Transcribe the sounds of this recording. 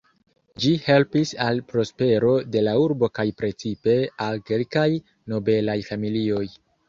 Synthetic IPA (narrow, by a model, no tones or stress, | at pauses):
d͡ʒihe̞lpisalpɾo̞spe̞ɾo̞de̞lauɾbo̞kajpɾe̞t͡sipe̞alke̞lkaj | no̞be̞lajfamilio̞j